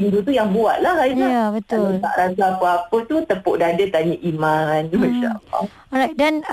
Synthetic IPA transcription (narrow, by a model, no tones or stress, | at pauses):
indut̪ujaŋbuaʔ̪̚lahad͡ʒaabət̪ʊət̪a̰ʔɾat̪aːpəapət̪ut̪əpoʔdaadət̪aɲəʔimãnmãʃala̰ | ɾajk̚dan